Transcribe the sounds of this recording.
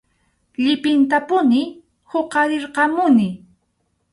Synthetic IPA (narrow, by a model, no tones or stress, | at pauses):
ʎɪpɪnt̪apʊnɪ | hoqɑɾɪɾqɑmʊnɪ